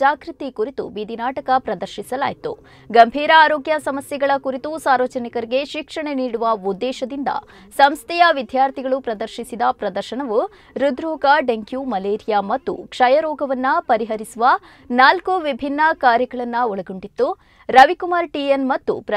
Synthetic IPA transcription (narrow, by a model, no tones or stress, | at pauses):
aːkɾut̪ikuɾit̪ṵbid̪ʱinaːʈɐkɐpɾɐd̪ɐɾʃisɐla̰ːjt̪ṵ | ɡɐmbʱiːɾɐaːɾoːɡjɐsɐmɐsjɛɡɐɭɐkuɾit̪usaːɾʋɐt͡ʃɐnikɐɾiɡe̞ʃikʂɐɳeniːɽuʋɐud̪ːɛːʃɐd̪ind̪ɐ̰ | sɐmst̪ɛjɐʋid̪ʱjaːɾt̪ʰiɡɐɭupɾɐd̪ɐɾʃisid̪ɐpɾɐd̪ɐɾʃɐɳɐʋu | ɾud̪ɾuːɡaɖeŋkjuːmɐleːɾijamɐt̪ːṵkʂɐjɐɾɔːɡɐʋɐnːɐpɐɾiɦɐɾisuʋɐ | naːlkuʋibʱinːɐkaːɾjɐkɐɭɐnːɐɔɭɐɡoɳɖit̪ːu | ɾɐʋikumaːɾʈienmɐt̪ːṵpɾɐ